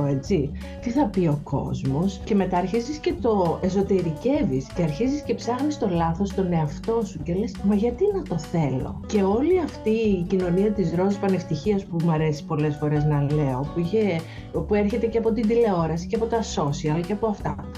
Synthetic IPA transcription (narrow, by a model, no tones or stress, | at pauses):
et͡si | t̪iθɐpio̞kʰo̞̰zmo̞sce̞me̞t̪ɐːɾçizisce̞t̪o̞e̞s̬o̞t̪e̞ɾice̞visceɐɾçizisce̞psɐxnist̪o̞lɐθo̞st̪o̞ne̞ɐft̪o̞sucelesmɐʝɐt̪inɐt̪oθe̞lo̞̰ce̞o̞liɐft̪icino̞niɐt̪izɾo̞zipɐne̞ft̪içiɐspumɐɾe̞si̥po̞le̞sfo̞ɾe̞znɐle̞o̞puiçe | pueɾçe̞t̪e̞ceɐpo̞t̪ind̪ile̞o̞ɾɐsi̥ceɐpo̞t̪ɐso̞siɐlɐceɐpoɐft̪ɐ̰